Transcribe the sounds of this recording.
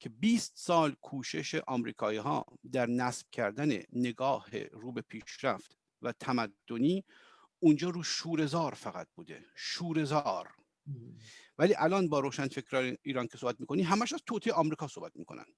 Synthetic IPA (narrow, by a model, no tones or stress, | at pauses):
cʰe̞biːst̪sɒːlkʰuːʃe̞ʃeʔɒːmɾḭːkʰɒːiːɦɒ̰ːd̪æɾnæsb̥̚cʰæɾd̪ænḛne̞ɡɒːhe̞̰ɾuːbe̞pʰiːʃɾæ̰ft̪ | væt̪ʰæmæd̪ːoniː | und͡ʒɒːɾuːʃuːɾe̞zɒːɾfæɣæ̰t̪̚buːd̪ḛʃuːɾe̞zɒːɾ | væliːʔælɒːnbɒːɾoːʃænfecʰɾɒːneiːɾɒnkʰesohbæt̪miːko̞niːɦæmæʃæzt̪ʰot̪ʰejeɒmɾiːkɒːsohbæt̪̚mḭːkʰo̞̰næ̰n